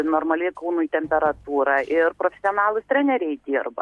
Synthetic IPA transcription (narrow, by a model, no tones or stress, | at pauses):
noːɾmɐlʲɪkɐʊnʊjt̪ʲɛmʲpʲɛɾɐt̪uːɾɑʔɪɾpɾofʲɛsʲionɑːlˠʊsʲt̪ʲɾʲænʲɛɾʲɛɪd̪ʲiːɾbɐ̰